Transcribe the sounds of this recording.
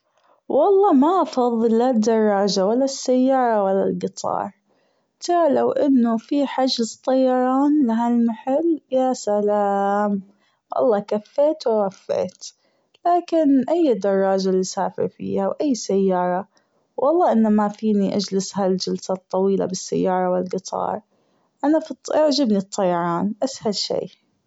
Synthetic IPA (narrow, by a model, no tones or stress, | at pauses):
wʔɑlˤːɑːmaʔɑfɑðˤːɨlːad̪ːɑrˤːɑːd͡ʒawalːasːajːɑːɾˤɑwalːa̰lɡɨt̪ˤʰɑ̰ːɾˤ | t̪ʰɑɾˤɑlawʔɪnːʊfiħad͡ʒzt̪ˤːɑjɑɾˤɑːnlaɦalmaħaljasalaːm | wʔɑ̰lˤːɑːkafːeːt̪wɪwafːḛːt̪ | laːkɪnʔajːd̪ɑrˤːɑːd͡ʒalisaːfɪ̰ɾfḭːhawʔajːsajːɑːɾˤɑ | wʔɑlˤːɑːʔɪnːamafiːniʔad͡ʒlɪshald͡ʒalsat̪ˤːɑwiːla̰bɪsːa̰jːɑːɾˤɑwɪlɡɨt̪ˤʰɑ̰ːɾˤ | ʔanafit̪ˤːʔaʕd͡ʒabnit̪ˤːɑjɑɾˤɑːnʔashalʃḛː